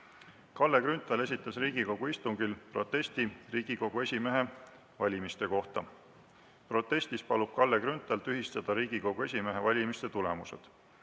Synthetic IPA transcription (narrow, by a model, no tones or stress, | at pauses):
kɑlːekɾynt̪ˑɑle̞sʲit̪ːˑɑsriːɡ̥iko̞ɡ̥uist̪uŋɡ̥ilpro̞t̪ːe̞st̪iriːɡ̥iko̞ɡ̥ue̞sʲime̞ɦe̞ | vɑlʲimist̪e̞ko̞ht̪ɑ | pro̞t̪ːˑe̞sʲt̪ispɑlub̥̚kɑlːekɾynt̪ˑɑlt̪yɦist̪ɑd̪̥ɑɾiːɡ̥iko̞ɡ̥ue̞sʲime̞ɦe̞vɑlʲimist̪e̞t̪ule̞muse̞̰d̪̥